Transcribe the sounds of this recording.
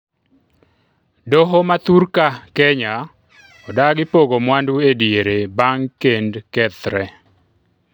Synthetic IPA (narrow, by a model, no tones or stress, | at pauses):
doɦomat̪uɾkakɛɲa | ɔdaɡɪpoɡomwanduedjeɾebaŋkendkɛt̪ɾɛ